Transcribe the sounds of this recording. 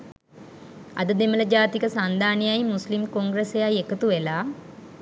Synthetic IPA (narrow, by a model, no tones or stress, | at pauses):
a̰d̪əd̪emələd͡ʒaːt̪ikəsand̪aːnijajmuslimkoŋɡɾesejajekət̪uʋelaː